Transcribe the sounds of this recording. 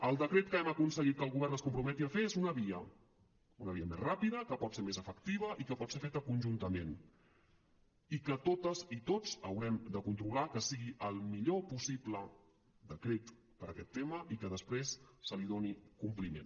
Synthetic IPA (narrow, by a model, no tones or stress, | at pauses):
əlˠd̪əkɾet̪̚kəɛməkunsəɣit̪̚kəːlˠɣuβɛrnəskumpɾumɛt̪iəfeezunəβiə | unəβiəmḛzrapiðəkəpɔt̪seɾmezəfəkt̪iβ̞əʔikəpɔt̪seɾfet̪əkunʲʒunt̪əmen | ikət̪ot̪əzit̪ot͡səwɾɛmd̪əkunt̪ɾulakəsiɣiʔəlˠmiʎopusiplə | d̪əkɾet̪ | pəɾəkɛt̪ːeməʔikəðəspɾesːəliðonikumplimḛn